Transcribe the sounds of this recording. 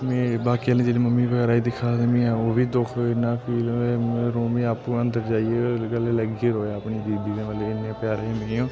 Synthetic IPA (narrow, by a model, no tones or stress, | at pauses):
mẽːbaːkiːəlẽːd͡ʒeːliːməmːiːbəɡɛːɾaːiːd̪ɪkʰaːd̪mĩːãːoːʋiːd̪oːkʰoɪnːãːpʰiːleɾoːmiːaːpuənd̪əɾd͡ʒaːieːoɡəleːləɡieɾoːjaːəpɳiːd̪iːd̪iːkəʋəleɪnːaːpjaːɾeiːmɪeːõː